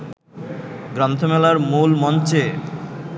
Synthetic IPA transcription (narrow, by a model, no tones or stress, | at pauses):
ɡɾɔnt̪ʰomɛlaɾmulmɔnt͡ɕe